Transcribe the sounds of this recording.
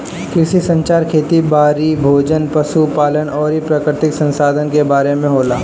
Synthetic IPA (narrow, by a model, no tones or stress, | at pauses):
kɾɪʃisɐ̃ɲt͡ʃaːɾkʰeːt̪ibaːɾibʱoːd͡ʒənpɐʃupaːlənɔːɾipɾaːkɾɪt̪ɪksə̃nsaːd̪ʱənkebaːɾemẽɦoːlaː